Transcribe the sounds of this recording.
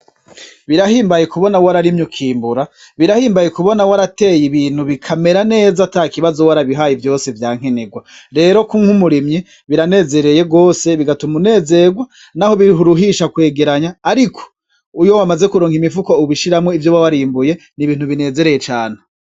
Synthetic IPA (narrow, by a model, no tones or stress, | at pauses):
βiɾahiːmbaje̞kuβo̞nawaɾaɾimɲukʰiːmbuɾa | βiɾahiːmbajekuβo̞nawaɾate̞ːjiβiːn̥huβikʰame̞ɾane̞ːzatakiβazowaɾaβiɦaːjivjo̞ːse̞vjaːŋ̥eneɡwaɾe̞ːɾo̞kuŋhumuɾimɲi | βiɾane̞ːze̞ɾe̞je̞ɡo̞ːse̞βiɡatumune̞ːze̞ɡwa | naho̞βiɾiɦuɾuɦiʃakwe̞ːɡe̞ɾaɲaːɾikʰo̥ | ujo̞wamaze̞kuɾoːŋhimivukouβiʃiɾamŋe̞ivjoβawaɾiːmbuje̞ | niβiːnhuβine̞ːze̞ɾeje̞t͡ʃaːne